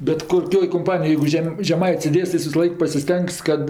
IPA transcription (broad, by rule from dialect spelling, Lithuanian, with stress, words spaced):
bʲɛt koːˈkʲoːj koːmˈpɑːnʲɪjoːj jɛɪɡʊ ˈʒʲɛm ʒʲɛˈmɐɪtʲsʲ sʲeːˈdʲeːs tɐɪ ˈjɪs ʋʲɪsɐˈlˠɐɪk pɐsʲɪˈsʲtʲɛŋks kɐt